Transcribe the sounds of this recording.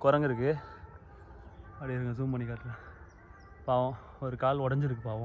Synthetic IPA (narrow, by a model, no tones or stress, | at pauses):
kɔɾɐŋɡɪɾɯk̬ːɯ | ɐɽɪɪɾɯŋɡɐs̬uːmpɐnikaːʈːla | paːʋõ | ɔɾɯkaːlɔɽɐɲd͡ʒɪɾɯk̬ːɯpaːʋɐ̃